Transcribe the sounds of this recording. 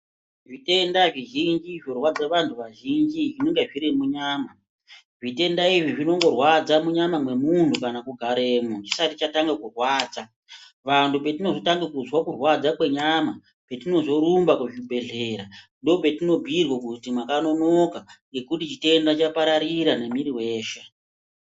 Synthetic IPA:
ʐite̞ndaʐiʒind͡ʒiʐorwad͡zaʋantʰuʋaʒind͡ʒiʐine̞ŋɡeʐiɾimuɲaːma | ʐite̞ndaiʐiʐino̞ŋɡo̞rwad͡zamuɲamamwe̞muntʰukanakuɡʱaɾeːmut͡ʃi̥satit͡ʃataŋɡakurwaːd͡za | ʋantʰupe̞tino̞zotaŋɡekuzwakurwad͡zakwe̞ɲama | pe̞tino̞zo̞ɾumbakuʐibʱe̞ɮe̞ːɾa | ndo̞pe̞tino̞bʱirwakutimakano̞no̞kaŋɡe̞kutit͡ʃite̞ndat͡ʃapaɾaɾiɾanemiɾiwe̞ːʃe

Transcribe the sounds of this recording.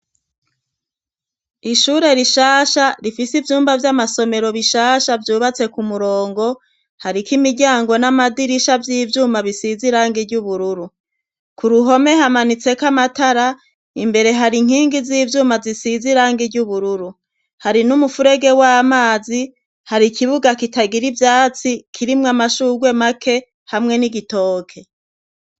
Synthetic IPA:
iʃuːɾe̞ɾiʃaːʃaɾifisivjuːmbavjamaso̞me̞ɾo̞βiʃaːʃavjuːβat͡se̞kumuɾoːŋɡo̞ | haɾikimiɟaːŋɡo̞namadiɾiʃavjiːvjuːmaβisiziɾaːŋɡiɾɟuβuɾuɾu | kuɾuɦo̞me̞ɦamanit͡se̞kamataɾa | imbe̞ɾe̞ɦaɾiŋ̥hiːŋɡiziːvjuːmazisiziɾaːŋɡiɟuβuɾuɾu | haɾinumufuɾe̞ɡe̞wamaːzi | haɾikiβuɡakitaɡiɾivjaːt͡sikʰiɾimŋamaʃuːɡwe̞makʰe̞ | hamŋe̞niɡito̞ːkʰe̞

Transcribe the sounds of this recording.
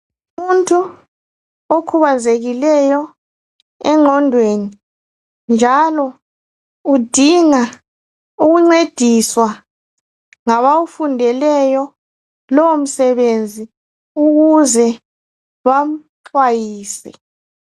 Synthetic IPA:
uumuntʰʼu | okʰuβand͡zʱeɣilɛjɔ | ɛŋ͡ǃʱɔndʱweni | nd͡ʒʱalɔ | ud̥ʱiŋa | uɣuŋ͡ǀed̥ʱiswa | ŋaβawufundʱɛlɛjɔ | lɔwom̩sɛβend͡zʱi | uɣuzɛ | βam̩ǁʰwajiːsɛ

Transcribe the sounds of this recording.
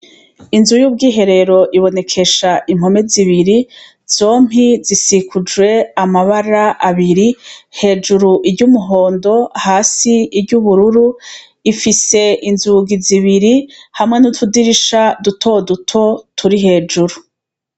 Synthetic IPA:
inzujuːb̚ɡiːɦe̞ɾe̞ɾo̞ʔiβo̞ne̞kʰe̞ʃaʔim̥o̞me̞ziβiɾi | z̥o̞ːm̥izisikʰud͡ʒwe̞amaβaɾaʔaβiɾihe̞ːd͡ʒuɾuʔiɾɟuːmuɦo̞ːndo̞haːsiiɾɟuβuɾuɾu | ifise̞ʔinzuɡiziβiɾihamŋenutʰudiɾiʃadutʰo̞dutʰo̞tʰuɾiɦe̞ːd͡ʒuɾu

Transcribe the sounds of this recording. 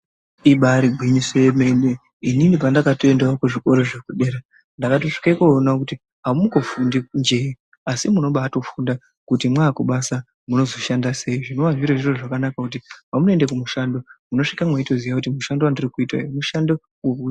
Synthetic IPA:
iɓaɾiɡʱwiɲisejeme̞ne | ininipandakatoendaokuʐiko̞ɾo̞ʐekuɗe̞ːɾa | ndakato̞ʂi̥kaikoːnakuti | ɦaumukofundind͡ʒei | asimuno̞ɓaːto̞funda | kutimwaːkuɓasa | muno̞zo̞ʃandase̞iʐino̞ʋaʐiɾaʐiro̞ʐakanakakut̬ipamunoendekumuʃandomuno̞ʂikamwaito̞zijakutimuʃandoandirikuitwa̰muʃando | weku

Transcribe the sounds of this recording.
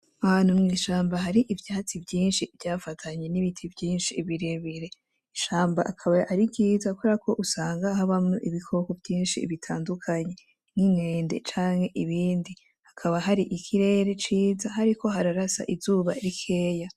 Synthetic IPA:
ahaːn̥humŋiːʃaːmbaɦaɾiʔivjaːt͡sibɟiːnʃivjaːfatʰaɲe̞niβitʰivjiːnʃiβiɾeβiɾe̞ | iʃaːmbaʔakʰaβaʔaɾiɟiːzakʰuakʰo̞ʔusaːŋɡahaβamuʔiβikʰo̞ko̞vɟiːnʃiβitʰaːndukʰaɲe̞ | ŋ̥iŋeːnde̞̰t͡ʃaːŋhe̞ʔiβiːndi | hakʰaβaɦaɾiʔikʰiɾe̞ːɾe̞t͡ʃiːzahaɾikʰo̞ɦaɾaɾasa̰ʔizuːβa̰ɾikʰe̞ːja

